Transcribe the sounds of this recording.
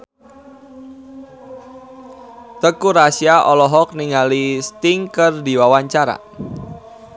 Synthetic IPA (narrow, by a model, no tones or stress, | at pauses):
t̪əkuɾasiaʔɔlɔɦɔk̚niŋalist̪ɪŋkərdiwawaɲt͡ʃaɾa̰